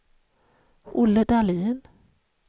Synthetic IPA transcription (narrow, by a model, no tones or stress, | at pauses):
ʔʊlːəd̪ɑliːn